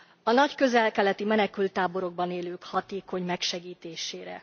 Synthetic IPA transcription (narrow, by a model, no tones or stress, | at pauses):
ɒnɒckø̞zɛlkɛlɛt̪imɛnɛkylt̪ːaːbo̞ɾo̞ɡ̚bɒneːløːkhɒt̪eːko̞ɲmɛkʃɛɡiːt̪eːʃeːɾɛ̰